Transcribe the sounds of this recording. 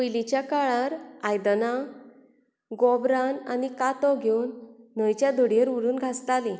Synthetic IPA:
əjlit͡ɕjakaɭaɾajd̪na | ɡɔbɾana̰nikat̪ɔɡʱjownːəjt͡ɕjad̪ʱəɽjeɾuɾuːnɡʱast̪ali

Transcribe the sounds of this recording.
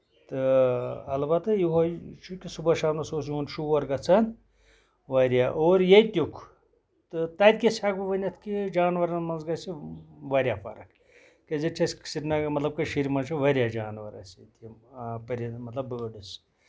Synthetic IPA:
t̪ɨɐlbɐt̪ɨjuɦɐt͡ʃʰukʲisubɐʃaːnɐsoːsjuunʃuʋɐɾɡɐt͡sʰɐn | ʋɐɾʲjaʔoːɾjejt̪ʲukʰ | t̪ɨt̪ɐd̪̚ʲkʲesʲak̚bɨʋɐnʲɐt̪ʰkid͡ʒaːnʋɐɾɐnmɐnzɡɐsiʋɐɾʲjafɐ̰ɾɐ̰k | kɐzɐt͡ʃʰɐsksiɾnɐmɐt̪lɐb̚kɐʃiɾʲimɐnt͡ʃʰuʋɐɾʲjad͡ʒaːnʋɐɾɐ̰sʲɐt̪ʲipɐɾʲɐmɐt̪lɐbəːɖɨs

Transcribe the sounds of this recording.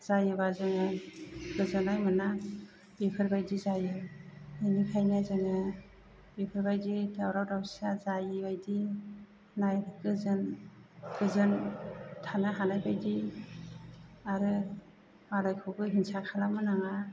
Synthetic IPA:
z̥ajɯbazɯŋakɯzɯnajmɯna | bekʰɯɾbajdizajɯɯnikʰajnazɯŋɯ | bepʰɯɾbajditʰawɾawdawsazajɯbajdi | najkɯzɯnkɯzɯntʰanaɦanajbʰajdi | aɾɯ | malajkʰɯwɡɯɦinsakʰalamɯnaŋa

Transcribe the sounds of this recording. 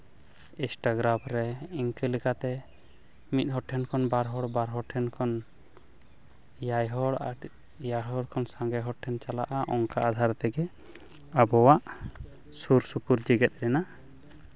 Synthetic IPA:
isʈaɡɾamɾɛiŋkəlikat̪ɛ | mit̪̚ˀhɔʈʰɛnkʰɔnbaɾɦɔɽbaɾɦɔʈʰɛnkʰɔn | jajɦɔɽaɾ | jaɽɦɔɽkʰɔnsaŋɡɛɦɔʈʰɛnt͡ʃalaʔaʔɔŋkaad̪ʱaɾt̪ɛɡɛ | abɔwaʔ | suɾsupuɾd͡ʒiɡɛt̪̚ɾɛna

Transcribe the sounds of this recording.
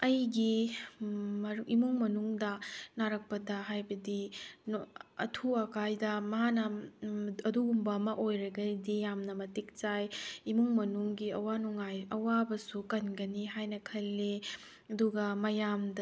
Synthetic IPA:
ɐjɡi | mɐɾʔimuŋmɐnuŋdɐnaɾɐk̚pɐdɐɦajbɐdinɐ̰tʰuɐkajdɐmɐɦanɐ | ɐduɡumbɐmɐʔojɾɐɡɐdijamnɐmɐtik̚t͡ʃajimuŋmɐnuŋɡiɐwanuŋajɐwabɐsukɐnɡɐniɦajnɐkʰɐlːe | ɐduɡɐmɐjamdɐ

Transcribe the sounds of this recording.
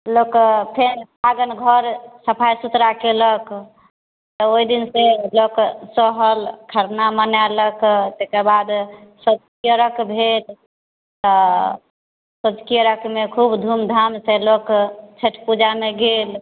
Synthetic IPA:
lokpʰenpaɡənɡʱəɾsəpʰajsut̪ɾakelək | t̪ɔoid̪inseloksɔɦəlkʰəɾnamənaləkt̪ekəbad̪səd͡ʒkijəɾəkbʱel | t̪ɔ | səd͡ʒkijəɾəkmekʰubd̪ʱumd̪ʱamselokt͡ʃʰeʈʰpud͡ʒameɡel

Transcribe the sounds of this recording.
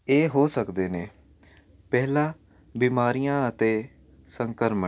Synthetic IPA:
eːɦoːsəkd̪eːneː | pɛːlãː | biːmaːɾijãːət̪eː | səŋkəɾmə

